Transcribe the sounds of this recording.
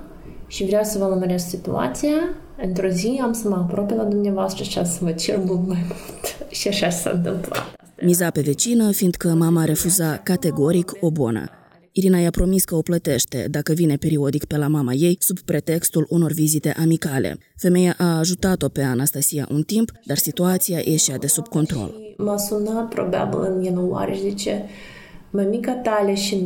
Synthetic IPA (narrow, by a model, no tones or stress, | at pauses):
ʃivɾeawsəvəluməɾessit̪ṵa̰t̪sija | ɨnt̪ɾo̞ziamsəməapɾopelad̪umneavoast̪ɾəʃia̰səmət͡ʃelmumamut̪ʃiaʃaʃsa̰ɨ̰nt̪ɨmpla̰t̪amizape̞ve̞t͡ʃinəfiːnd̪kəmamaːɾe̞fuzakat̪e̞ɡo̞ɾiko̞bo̰nə̰ | iɾinajapɾo̞miskəo̞plət̪e̞ʃt̪e̞̰d̪akəvine̞pe̞ɾio̞d̪ikpe̞lamamaje̞jsubpɾe̞t̪e̞kst̪uluno̞rvizit̪e̞ʔamikalʔḛ | fe̞me̞jaʔaːʒut̪at̪o̞pe̞anast̪asija̰ʔunt̪impd̪arsit̪uat̪siajʔeʃiad̪e̞subko̞nt̪ɾo̰lmasunat̪̚pɾoba̰bʲḭlˠɨnjinowa̰ɾʲeʃd̪it͡ʃe | məmikat̪alʲeʃi